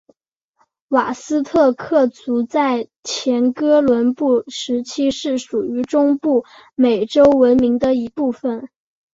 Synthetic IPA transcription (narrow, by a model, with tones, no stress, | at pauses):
wa˨˩sɹ̩˥t̪ʰɤ˥˧kʰɤ˥˩t͡su˧˥t͡sa˥˩ɪt͡ɕʰjɛ˧˥nkɤ˥lwə˧˥npu˥˩ʂɻ̩˧˥t͡ɕʰi˥ʂɻ̩˥˩ʂu˨˩y˧˥ʈ͡ʂʊ˥ŋpu˥˩ | me˨˩ɪʈ͡ʂo˥ʊwə˧˥nmi˧˥ŋd̪ə˧i˧˥pu˥˩fə˩n